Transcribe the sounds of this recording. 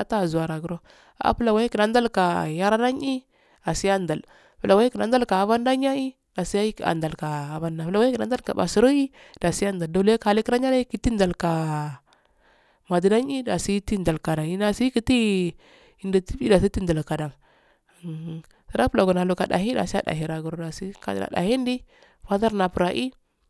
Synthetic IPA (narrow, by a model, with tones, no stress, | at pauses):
a˦ta˦˨zu˨a˨ɾa˨ɡu˨ɾo˦ | a̰˦pu˦la˨wa˦i˦ki˨na˨˦n˦da˦lka˨ja˦ɾa˦na˦ɲi˦ | a˨si˦ja˦nda˨l | pu˨la˨wa˦i˦ki˨na˨n˦da˦lka˨a˨va˦nda˦ɲa˦i˦ | da˨si˦a˦i˦a̰˨nda˨lkaː˨va˦nda˨pla˨wa˦i˦ki˨na˨˦n˦da˦lka̰˨ba̰˨si˨˦ɾo˦i˦ | d̥a˨si˦a˦nda˨ldo˨˦le˦ka˨a˨li˦ki˦ɾa˦ɲa˦a˦i˦ki˦ti˦nda˨lka˨ | ma˨di˨na˦ɲi˦da˨si˦ti˦nda˨lka˨da˨i˦na˨si˦ki˦ti˦ | i˨ndi˨ti˦i˦da˨s̬i˦ti˦nda˨lka˨da˨ŋ˨ | si˨ɾa˦pu˦la˨ɡu˨na˨lu˨ka˨da̰˨ɦi˦da̰˨si˦a̰˦da̰˨ɦi˨ɾa˨ɡu˨ɾda˨si˦ka̰˨a̰˨da̰˨hi˦ndi˦ | fa˦ða˦ɾna˨pɾa˨ʔi˦